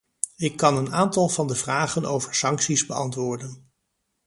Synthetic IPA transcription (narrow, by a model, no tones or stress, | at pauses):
ɪkːɑnənaːntɑlˠvɑndəvraːχəno̰wvəɹsɑŋksizbəɑ̰ntʋʊːɹdən